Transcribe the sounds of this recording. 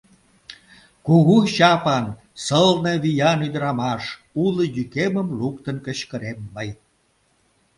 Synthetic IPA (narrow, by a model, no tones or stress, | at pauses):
kuɣuɕɑpɑn | səlneβyjɑnyd̪əɾɑmɑʃ | uləjykeməmlukt̪ənkəɕkəɾemːəj